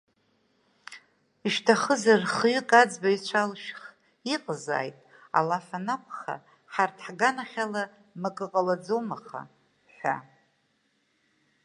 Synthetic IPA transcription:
iʃtʰaχəzarχɥʏkʼad͡zbait͡ʃʷʰalʃχ | iqʼza̰ːjtʼ | a̰lafanakʷʰʼχa̰ | ħartʰħɡanaχʲala | mɨkʼɨqʼalad͡zomaχa̰ | ħʷa̰

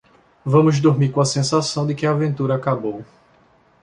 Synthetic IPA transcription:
vɐ̃mʊzd̪oɾmikõɐsẽsasɐ̃w̃d̪ɪkɪɐːvẽnt̪uɾɐːkabow

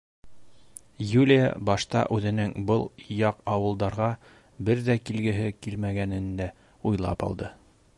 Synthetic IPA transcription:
julʲija̰bɑʃt̪ɑ̰ʔʉðɘ̆nɘŋbɤlˠjɑqɑwɤ̆lˠd̪ɑɾʁɑ | bɘɾðækilɡɘ̆ɦɘkilmæɡænɘ̆nd̪æ | ujlˠɑ̰pɑ̰lˠd̪ɤ

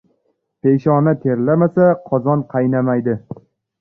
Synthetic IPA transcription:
pejʃɒnat̪ʰeɾlamasaqʰɒzɒnqʰɑjnamajd̪ɪ

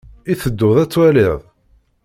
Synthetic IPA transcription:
iθəd̪ːʊðˤæt͡sːwælɪðˤ

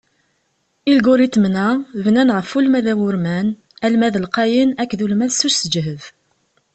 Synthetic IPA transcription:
ilɡʊɾit̪ːmnævnænʁəfulmæðæwʊɾmæn | ælmæðəlqɑjənækːðulmæðsuʃsəd͡ʒɦəv

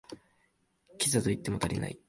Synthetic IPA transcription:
kʲizat̪oit̪ːe̞mo̞t̪aɾʲḭna̰i

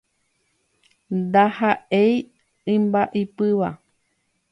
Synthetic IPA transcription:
nd̪ahaʔej | ɨ̃mbaʔipɨʋa

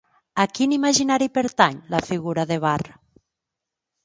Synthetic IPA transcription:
akinimaʒinaɾipeɾt̪aɲlafiɣuɾaðeβ̞ar

